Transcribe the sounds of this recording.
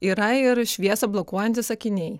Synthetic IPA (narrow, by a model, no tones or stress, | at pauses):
iːɾɐɪɾʃʲʋʲiɛsɐblˠɔkuɔjɛnʲt̪ʲɪsɐkʲɪnʲɛɪ